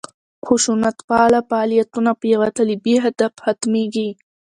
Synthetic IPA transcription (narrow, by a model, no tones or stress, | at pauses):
xʊʃunat̪pɑlafaɑlijat̪unapjawat̪əlibiɦad̪afxat̪meɡi